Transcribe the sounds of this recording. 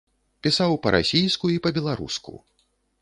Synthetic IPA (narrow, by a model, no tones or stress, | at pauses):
pʲisawpɐɾʔa̰sʲijskuipɐbʲɛlˠaɾṵskṵ